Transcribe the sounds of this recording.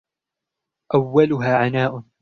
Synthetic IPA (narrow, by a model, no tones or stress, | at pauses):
ʔawːalʊɦaːʕanaːʔʊn